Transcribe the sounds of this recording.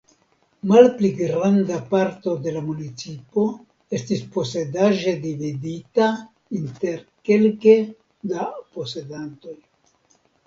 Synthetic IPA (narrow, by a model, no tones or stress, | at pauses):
malpliɡɾandapaɾto̞de̞lamunit͡sipo̞ | e̞stispo̞se̞daʒe̞dividita | inte̞ɾke̞lke | dapo̞se̞danto̞j